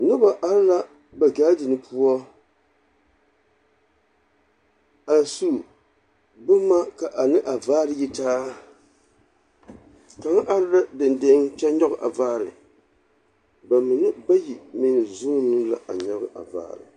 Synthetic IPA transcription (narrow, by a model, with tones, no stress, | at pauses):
nɨ˦ba˨ʔa˦ɾla˦ | ba˨ɡaː˦dɨ˨nɨ˦pʰu˦ɔ˦ | a˨su˦ | bɨ˦ma˦ka˨ʔa˨nɨ˦ʔa˨vaː˦ɾɨ˦ji˦taː˦ | ka˨ŋa˦ʔa˦ɾɨ˦la˦dɨ˨nde˦ŋt͡ʃɛ˦ɲɔ˦ɣɨ˨ʔa̰˨vaː˦ɾɨ˨ | ba˨mɨ˨nɨ˦ba˦ji˨mi˨nɨ˨zu˦nɨ˦mla̰˨ʔa˨ɲɔ˦ɣɨ˦ʔa̰˨va̰ː˦˨ɾɨ̰˨